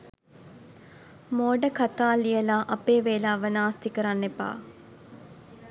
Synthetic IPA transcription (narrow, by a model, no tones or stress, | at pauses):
moːɖəkat̪aːlijəlaːʔɐpeːʋeːlaːʋənaːst̪ikəɾanːepa̰ː